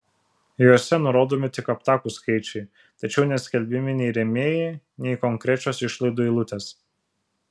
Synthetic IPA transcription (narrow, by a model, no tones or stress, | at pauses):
joːsʲɛnʊɾoːd̪oːmʲɪt̪ʲɪkɐpt̪ɑːkuːskɐɪt͡ʃʲɛɪ | t̪ɐt͡ʃʲɛʊnʲɛsʲkʲɛlʲbʲɪmʲɪnʲɛɪɾʲɛmʲeːjɛ | nʲɛɪkɔŋʲkɾʲɛt͡ʃʲoːsɪʃlˠɐɪd̪oːilˠʊt̪ʲes